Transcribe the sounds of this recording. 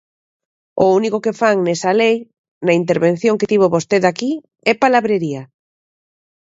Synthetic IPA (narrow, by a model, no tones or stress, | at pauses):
ounikokefaŋnesalej | nɐint̪̬eɾβen̟θjoŋket̪iβ̞oβost̪eðaki | ɛpalaβɾeɾiɐ